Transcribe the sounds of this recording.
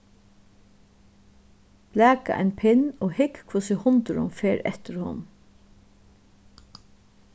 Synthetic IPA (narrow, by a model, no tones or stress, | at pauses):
b̥læːka̰ʔɛ̰ɪnpʰɪnoːhɪkkʰvʊsɪhʊnt̪əɾʊ̰mfeːɾɛ̰ht̪ɪɾhʊ̰n